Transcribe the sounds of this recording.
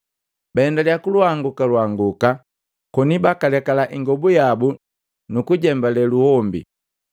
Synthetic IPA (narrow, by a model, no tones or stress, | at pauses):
baɛndalijakuluaŋɡukalwaŋɡuka | kɔnibakalɛkalaʔiŋɡɔbujabu | nukuɟɛmbalɛluhɔmbḭ